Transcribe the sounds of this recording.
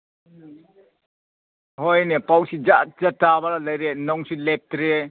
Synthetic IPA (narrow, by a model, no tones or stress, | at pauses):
hɔjnepawsid͡ʒazatːabaɾalajɾenɔŋsilep̚tɾe